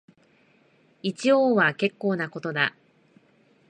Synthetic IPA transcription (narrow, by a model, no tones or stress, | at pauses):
it͡ɕioːβake̞kːo̞ːnako̞t̪o̞d̪a